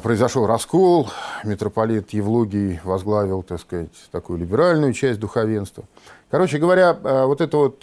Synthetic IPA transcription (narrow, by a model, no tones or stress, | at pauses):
pɾəɪzɐʂolˠrɐskolˠmʲɪt̪ɾəpɐlʲit̪jɪvlˠuɡʲɪjvɐzɡlˠavʲɪlˠt̪akskɐzatʲt̪ɐkujʊlʲɪbʲɪɾalʲnʊjʊt͡ɕæsʲt̚ʲd̪ʊxɐvʲe̞nst̪və | kɐɾo̞t͡ɕɪɡəvɐɾʲaəvo̞t̪ɛt̪əvo̞t̪